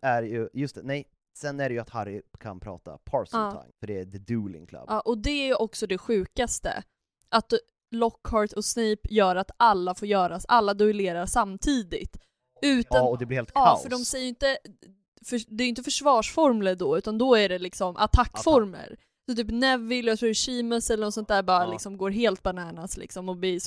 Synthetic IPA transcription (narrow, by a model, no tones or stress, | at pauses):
æɾjɵjɵst̪ɛnɛj | sɛnːæɖɛjɵat̪haɾːɪkʰa̰npʰɾɑ̰ːt̪a̰pʰɑ̰ːɾsːʰa̰ɪŋfœɖɛæd̪ɛd̪ʉːlɪ̰ŋkʰla̰bɑːʔɔd̪ɛæjʔɔksɔd̪ɛɧʉ̟ːkast̪ə̰ | ʔat̪ | lɔkːhɑːɾʈʰɔsnɛːpjœːɾat̪alːafoːɾjœːɾasʔalːad̪ʊɪleːɾasamːt̪ʰiːd̪ɪt̪ | ʉ̟ːt̪and̪ɛblɪheːlt̪kːafœɖɔmsɛjəjʏnt̪ə | fœd̪ɛːɾjʏnt̪̬əfœʂvɑːʂfɔɾmləɖɔʉ̟ːt̪and̪ɔæɖɛlɪksɔmʔa̰t̪ʰakːfɔɾmə̰ɾ | sɔt̪yːpnɛvːɪlːjat̪ʰɾuːɕiːməsɛlːəɾnɔsɔnt̪d̪æːɾbɑːɾalɪksɔmɡoːɾɦeːlt̪̚banæːnaslɪ̰ksɔmɔbli